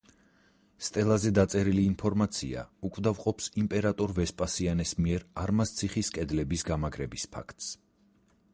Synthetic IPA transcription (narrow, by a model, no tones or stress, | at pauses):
st̪ʼɛlˠazɛd̪at̪sʼɛɾiliːnpʰɔɾmat̪sʰḭa̰ukʼvd̪avqʼɔpsimpʼɛɾat̪ʼɔɾvɛspʼasianɛsmiɛɾaɾmast̪sʰiχiskʼɛd̪lɛbisɡamaɡɾɛbispʰa̰kʰt̪ʼs